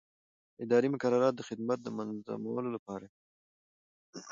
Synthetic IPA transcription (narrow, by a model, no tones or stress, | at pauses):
ɪd̪ɑɾimʊkaɾaɾɑt̪̚d̪əxɪd̪mat̪̚d̪əmanza̰ma̰wəlolapɑɾa